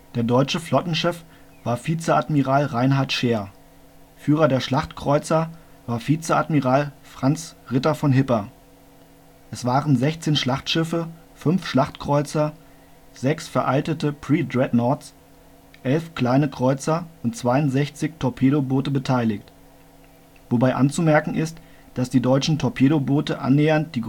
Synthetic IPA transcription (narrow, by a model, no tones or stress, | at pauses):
d̥eːɐdɔʏt͡ʃəflɔtn̩ʃɛf | v̥aːɐfiːt͡səʔatmiʁaːlʁaɪnɦaɐtʃeːɐ | fyːʁɐdeːɐʃlaχtkʁ̥ɔʏt͡sɐ | vaːɐfiːt͡səatmiʁaːlfʁ̥ant͡sʁɪtɐfɔnɦɪpɐ | ʔɛsv̥aːʁənzɛçt͡seːnʃlaχtʃɪfə | fʏnfʃlaχtkʁ̥ɔʏt͡sɐ | z̥ɛksfɛɐʔaltətəpʁ̥iːdʁɛdnɔɐt͡s | ʔɛlfkl̥aɪnəkʁ̥ɔʏt͡sɐʔʊntt͡sv̥aɪʊntz̥ɛçt͡sɪçtʰɔɐpʰeːɾoboːtəbətʰaɪlɪçt | vobaɪʔa̰nt͡sumɛɐkŋ̩ɪst | d̥asd̥iːdɔʏt͡ʃn̩tʰɔɐpʰeːɾoboːtəʔa̰nːeːɐnt̚d̥iːɡ